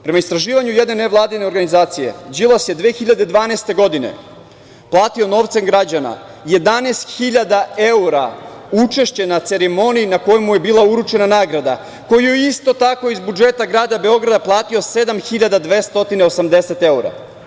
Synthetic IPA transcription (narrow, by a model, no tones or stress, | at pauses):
pɾe̞maist̪ɾaʒiːʋaɲuje̞d̪ne̞ne̞ʋlˠaːd̪ine̞o̞ɾɡanizaːt̪sije̞̰d͡ʑilˠasje̞d̪ʋeːxiʎad̪e̞d̪ʋaːnest̪e̞ɡo̞d̪ine̞̰ | plˠaːt̪io̞no̞ʋt̪semɡɾad͡ʑana̰ | je̞d̪anest̪xiʎad̪ae̞uɾaut͡ʃe̞ʃt͡ɕenat̪se̞ɾemo̞nijinako̞jemuje̞biːlˠauɾut͡ʃe̞nanaːɡɾad̪a̰ | ko̞jijeist̪o̞t̪ako̞izbud͡ʒe̞t̪aɡɾaːd̪abe̞o̞ɡɾad̪aplˠaːt̪io̞se̞d̪amxiʎad̪ad̪ʋe̞ːst̪o̞t̪ineo̞samd̪e̞se̞t̪e̞uɾa̰